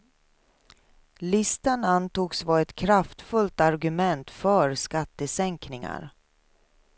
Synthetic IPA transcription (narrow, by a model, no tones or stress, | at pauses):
lɪst̪anant̪uːɡsvɑːɛt̪kʰɾaft̪fɵlt̪aɾɡɵmɛnt̪fœɾskat̪ːəsɛŋknɪŋa̰ɾ